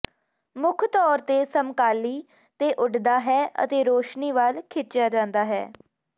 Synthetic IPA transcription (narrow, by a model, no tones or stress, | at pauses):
mʊkʰt̪ɔːɾt̪eːsəmkaːliː | t̪eːʔʊɖd̪aːɦɛːə̰t̪eːɾoːʃniːʋalkʰɪt͡ʃjaːd͡ʒãːnd̪aːɦɛ̰ː